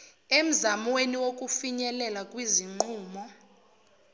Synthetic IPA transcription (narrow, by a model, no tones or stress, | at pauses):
em̩zamweniwok̬ʼufiɲɛlɛlakʼwiziŋ͡ǃuːmɔ